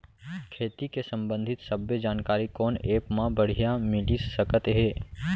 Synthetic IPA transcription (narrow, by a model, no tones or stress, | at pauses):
kʰeːt̪ikesə̃mbə̃nd̪ʱɪt̪səbːəd͡ʒaːnkaːɾikɔːneːpmãbəɽ̤ijamɪlisəkət̪ɦeː